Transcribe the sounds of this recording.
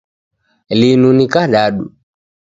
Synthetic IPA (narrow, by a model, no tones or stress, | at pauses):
linunikaɗaɗṵ